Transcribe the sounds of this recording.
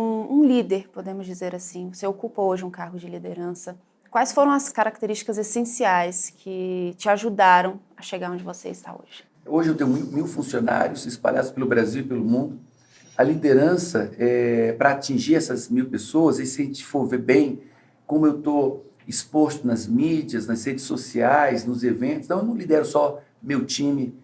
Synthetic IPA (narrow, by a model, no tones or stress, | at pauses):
ũũlid̪eɾpod̪ẽmʊzd͡ʒizeɾasĩvoseokupɐoʒɪũkaɾɡʊd͡ʒɪlid̪eɾɐ̃sɐ | kwajsfoɾɐ̃w̃ɐskaɾak̚t̪eɾist͡ʃi̥kɐzesẽsiajskʰɪt͡ʃɪaʒud̪aɾɐ̃w̃ɐʃeɡaɾõd͡ʒɪvosḛɪst̪a̰o̰ʒ̥ɪ | oʒɪewt̪ẽjʊ̃mimiwfũsiona̰ɾjʊsɪspa̰ʎa̰d̪ʊspelʊbɾaziwipelʊmũnd̪ʊ | ɐlid̪eɾɐ̃sɐɛpɾɐat͡ʃĩʒiɾɛsɐzmiwpesoɐzɛsɐẽt͡ʃɪ̥foɾveɾbẽj̃ | kõmʊewt̪o | ispost̪ʊnɐzmid͡ʒiɐznɐzhed͡ʒɪsːosiajznʊzevẽnʊst̪ɐ̃ewnɐ̃w̃lid̪ɛɾʊsɔ | mewt͡ʃĩmɪ